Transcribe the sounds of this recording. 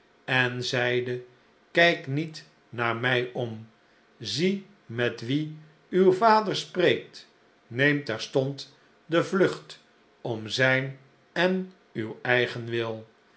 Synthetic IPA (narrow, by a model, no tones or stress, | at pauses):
ɛnzɛjdə | kɛjknit | naːɹmɛjɔm | zi | mɛtʋi | ywvaːdəɹsprejk̚t | nejmtɛɹstɔnt | dəvlɵχt | ɔmzɛjn | ɛn | ywɛjχənʋɪlˠ